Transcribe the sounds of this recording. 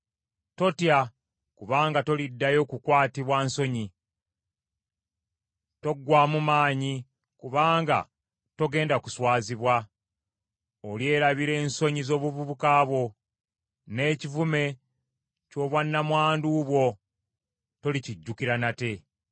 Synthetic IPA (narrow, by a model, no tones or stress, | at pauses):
to̞tja | kuβaːŋɡato̞lidːajo̞ːkukwaːtiβwaːnso̞ɲi | to̞ɡːwaːmumaːɲi | kuβaːŋɡa̰ | to̞ɡe̞ːndaku̥swaːziβwa | olje̞ːɾaβiɾe̞ːnso̞ɲizo̞ːβuvuβukaːβwo̞ | ne̞ːcivume̞ | co̞ːβwanːamwaːnduːβwo̞ | to̞liciɟːukiɾanate̞